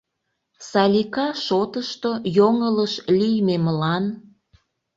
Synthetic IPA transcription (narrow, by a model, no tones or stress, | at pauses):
sɑlʲikɑʃot̪əʃt̪ojoŋələʃlijmemlɑn